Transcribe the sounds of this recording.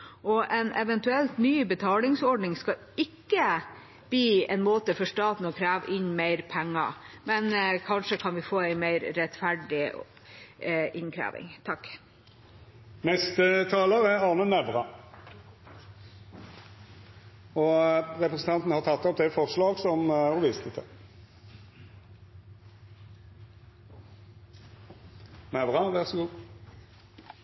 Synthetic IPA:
ɔʔɛnɛʋɛnt̪ʉɛlt̪nyːbət̪ʰɑːlɪŋsɔɖnɪŋskɑ | ɪkːə | b̥iːɛɪnmoːt̪əfɔʂʈɑːt̪n̩ɔkʰɾæːʋʔɪɲmeɪɾpʰɛŋːɑ̰mɛnkʰɑnʂəkʰɑnʋɪfoːæɪmeɪɾɾɛt̪fæɖɪ | ʔɪnkʰɾæ̰ːʋɪ̰ŋt̪ʰɑkː | nɛst̪ət̪ʰɑːləʁæɑːnənɛʋʁɑ | ɔʁɛpɾəsən̩t̪ʰɑnt̪n̩hɑʁt̪ʰɑt̪ːɔp̚d̪ɛfɔʁslɑːɡsɔmhɔʋiːst̪ʰət̪ʰə | nɛʋʁɑʋæʁsɔɡuː

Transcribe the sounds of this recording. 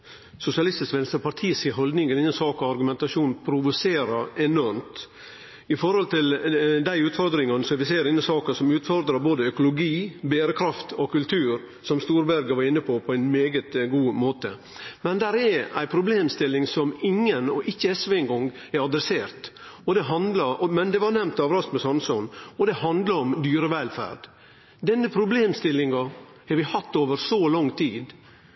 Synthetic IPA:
sʊsɪɑlɪst̪ɪskʋɛnst̪ɾpʰɑɾt̪ʰiːsɪɦɔld̪nɪŋɛɾɪnːənsɑːkɔʋɑɾɡʉmɛnt̪ɑʂuːnpʰɾʊʋʊseːɾəɛnɔɾmt̪ | ɪfɔɾhɔlt̪ʰɪld̪æɪʉːt̪fɔɾd̪ɾɪŋɑnəsɔʋɪseːɾɪnːəsɑːkəsɔmʉːt̪fɔɾd̪ɾɑboːd̪əœkʊlʊɡiːbeːɾəkʰɾɑft̪ʰɔkʰʉlt̪ʰʉːɾ | sɔmst̪uːɾbæɾɡəʋɑɾɪnːəpʰɔpʰɔæɪnmeːɡət̪ɡuːmoːt̪ə | mɛnd̪æɾɛɾæ̰ɪpʰɾʊbleːmst̪ɪlːɪŋsɔmɪŋːənɔ̰ʔɪçːəɛsʋeɪŋɡɔŋ | ɛɾɑd̪ɾɛseːɾt̪ | ɔd̪ɛɦɑnd̪lɑmɛnd̪ɛʋɑɾnɛmnt̪ɑʋɾɑst̪mɛsɑnsʉnɔd̪ɛhɑnd̪ləɾɔmd̪yːɾəʋɛlfæ̰ːɾɖ | d̪ɛnːəpʰɾʊbleːmst̪ɪlːɪŋɑ | hɛɾʋɪhɑt̪ːoːʋəɾsɔlɔŋːt̪ʰiːd̪

